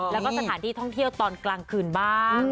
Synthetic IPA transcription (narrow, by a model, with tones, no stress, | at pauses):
lɛ˦˥kɔ˥˩sa˧t̪aː˩˦nt̪ʰiː˥˩t̪ʰɔ˥˩ŋt̪ʰi˥˩əwt̪ɔː˧nklaː˧ŋkʰɯː˧nbaː˥˩ŋ